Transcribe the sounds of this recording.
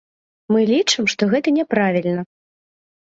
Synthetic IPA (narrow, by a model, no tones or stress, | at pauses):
mɨlʲit͡ʂɨmʂt̪ɔɣɛt̪ɐnʲɛpɾavʲilʲnɐ